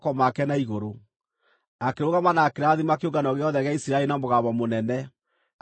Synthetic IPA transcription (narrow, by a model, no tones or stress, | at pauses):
kɔmakɛnaiɣoɾo | akeɾoɣamanaːkeɾaðimakeoɡanɔɣeɔðɛɣeaisiɾaɛɾinamoɣaβɔmonɛnɛ